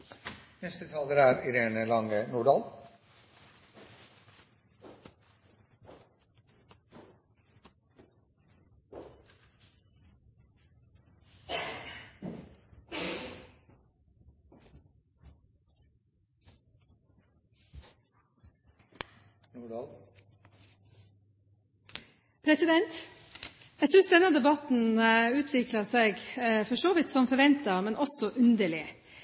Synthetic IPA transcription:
nɛst̪ət̪ʰɑːld̪əɾæːɾɪɾeːnəlɑŋənuːɖɑl | pʰɾɛsɪd̪ɛnt̪ | æsʏnsd̪ɛnɑd̪ɛbɑt̪n̩ʉːt̪ʰʋɪklɑseːɡfɔʂoːʋɪt̪sɔmfɔɾʋɛnt̪əmɛnʔɔsɔʔʉnd̪əɭɪə

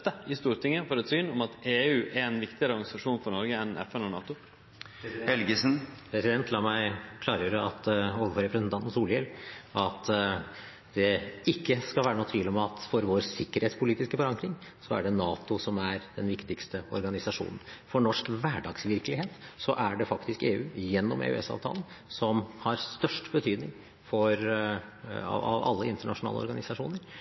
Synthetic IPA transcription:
t̪əɪst̪uːɾt̪ɪŋːəfoːɾɛt̪syːnɔmɑt̪eːʉːʔæɛnʋɪkt̪ɪɡəɾəɔɾɡɑnɪsɑʂuːnfɔɾɳɔɾɡəɛnɛ̰fɛnɔɳɑ̰ːt̪ʊ | hɛlɡəsnpʰɾɛsɪd̪ɛnt̪ʰlɑːmæɪkʰlɑːɾjøːɾəɑt̪oːʋəfɔɾɛpɾəsnt̪ʰɑnt̪n̩suːlɛlɑt̪ | d̪̥ɛɪkːəskɑlʋæːɾənɔːt̪ʰʋiːlɔmɑt̪fɔɾʋoːɾsɪkːəɾheːt̪spʊliːt̪ɪskəfɔɾɑŋkɾɪŋsɔæ̰ɖɛnɑːt̪ʊsɔmæɾd̪ɛnʋɪkt̪ɪkst̪əɔ̰ɾɡɑnɪsɑʂṵːnən̩fɔɳɔʂkʋæːɖɑːɡsʋɪɾkəlɪheːt̪sɔʔæɖɛfɑkt̪ɪskḛːʉːjɛnːɔmʔḛːʉ̰ɛ̰sɑ̰ːʋt̪ʰɑ̰lən | sɔmhɑɾsst̪œʂʈbət̪ʰyːd̪nɪŋ | fɔɾ | ɑ̰ʋɑ̰lːəɪnt̪əɳɑʂʊnɑ̰ːlə̰ɔ̰ɾɡɑnɪsɑʂuːnəɾ

